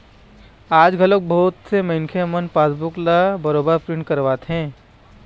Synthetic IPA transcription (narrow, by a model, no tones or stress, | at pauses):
aːd͡ʒɡʱɐlok̚bɔːt̪semɐɪnkʰemənpaːsbʊklabɐɾoːbəɾpɾɪ̃ɳʈ̚kɐɾʋaːt̪ɦɛ̃ː